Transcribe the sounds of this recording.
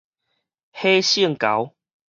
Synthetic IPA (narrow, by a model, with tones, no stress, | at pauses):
he˦ɕi˥˧˨ŋka˨˦w